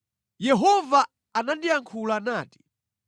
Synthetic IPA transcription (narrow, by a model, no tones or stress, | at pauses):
jɛɦɔvaː | nandijaŋkʰulanaːti̥